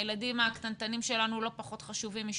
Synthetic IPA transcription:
eladimakt̪ant̪animʃe̞lanulo̞paχo̞t̪χaʃuvimiʃ

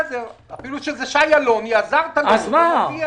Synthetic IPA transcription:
zeafiluʃezeʃajalonjeazaʁt̪alazmaia

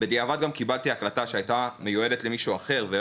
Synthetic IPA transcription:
bed̪iavad̪ɡamkibalt̪iaklat̪aʃeajt̪amejue̞det̪lemiʃuaχe̞ʁve

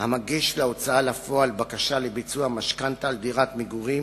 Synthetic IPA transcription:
hamaɡiʃleo̞t͡saalafo̞albakaʃalebit͡suamaʃkant̪ald̪iʁat̪miɡuʁim

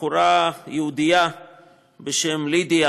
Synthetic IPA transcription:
uɾajeud̪ija | beʃemlid̪ia

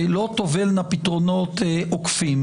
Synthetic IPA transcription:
lot̪ovelnapit̪ʁonot̪ʔokfim

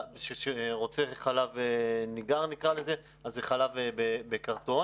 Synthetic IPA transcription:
ʃeʃeʁot͡seχalaveniɡaʁnikʁale̞ze | azeχalavebebekaʁt̪o̞

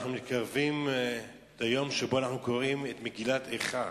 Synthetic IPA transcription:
χnumit̪kaʁvim | t̪ajo̞mʃebo̞anaχnuko̞ʁimet̪meɡilat̪eχa

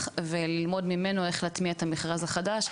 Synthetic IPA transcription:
χvelilmo̞dmime̞noe̞χlaːt̪miaetameχʁazaχadaʃ

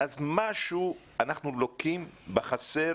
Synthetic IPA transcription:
azmaʃu | anaχnulokimbeχase

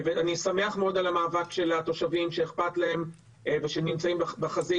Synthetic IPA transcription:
veanisame̞aχmeo̞d̪alamaːvakʃe̞lat̪o̞ʃavimʃeːχpat̪lae̞m | veʃenimt͡saimbabaχazi

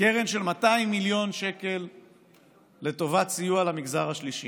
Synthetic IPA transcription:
keʁe̞nʃe̞lmat̪aimːiljo̞nʃe̞ke̞l | e̞t̪o̞vatt͡sijualamiɡzaʁaʃliʃi

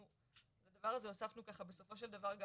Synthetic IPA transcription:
u | bad̪avaʁazeosafnukaχabe̞so̞fo̞ʃ̬e̞ld̪avaʁɡ

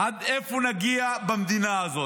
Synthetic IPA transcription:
ɐd̪efunɐɡijabɐmd̪inaːzɔ

